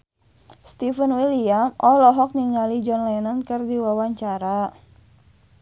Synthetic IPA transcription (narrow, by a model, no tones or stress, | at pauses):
st̪ifənwiliamʔɔlɔɦɔk̚niŋalid͡ʒɔnlanankərdiwawaɲt͡ʃaɾa